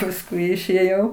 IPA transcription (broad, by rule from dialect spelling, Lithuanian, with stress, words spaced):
pɐsˈkʊɪ ɪʃʲeːˈjɛʊ